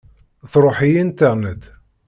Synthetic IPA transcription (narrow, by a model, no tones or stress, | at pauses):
θɾˤoħijint̪əʁnəd̪